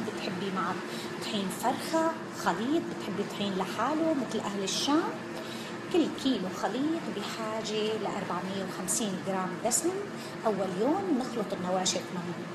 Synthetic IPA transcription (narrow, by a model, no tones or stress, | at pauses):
bɪt̪ħɪbːimaʕak | t̪ˤħiːnfɑɾˤxa | xɑliːt̪̚ˤbɪt̪ħɪbːit̪ˤħiːnlaħaːlumɪt̪lʔahlɪʃːaːm | kɪlːkʰiːluxɑliːt̪ˤbiħaːʒelaʔɑ̰ɾˤbaʕmɪjːewxamsiːnɡɾaːmd̪asmɪn | ʔawːaljoːmnɪxlʊt̪ˤɪnːawaːʃɪnaɦ